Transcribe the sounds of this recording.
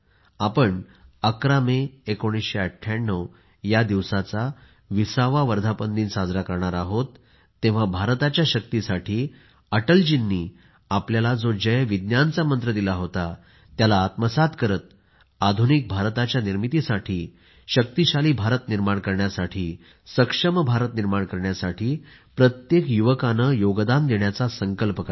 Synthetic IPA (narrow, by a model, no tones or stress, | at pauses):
apəɳəkɾameekoɽ̃isɕeəʈʰjaɳːəw | jad̪iʋsat͡sa | ʋisaʋaʋəɾd̪ʱapənd̪iːnsad͡zɾakəɾɳaɾaɦot̪ː | ẽʋ̤abʱaɾt̪at͡ɕjaɕək̚t̪isaʈʰiː | əʈəld͡ʑinːiː | apljalad͡zod͡ʑəjʋid̪njant͡samənt̪ɾəd̪ilaɦot̪a | t̪jalaːt̪məsat̪kəɾət̪̚ | ad̪ʱunik̚bʱaɾt̪at͡ɕjaniɾmit̪isaʈʰiː | ɕək̚t̪iɕaliːbʱaɾət̪niɾmaɳkəɾɳjasaʈʰiː | səkʂəməbʱaɾət̪niɾmaɳkəɾɳjasaʈʰiː | pɾət̪jekjuʋəkanəjoɡd̪and̪eɳjat͡sasəŋkəlpəka